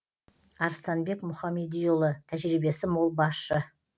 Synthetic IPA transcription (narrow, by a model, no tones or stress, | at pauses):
ɑɾst̪ɑnbe̞kmʊχɑmed̪ijolˠət̪ʰæʒɾibe̞sɪmolˠbɑsʃə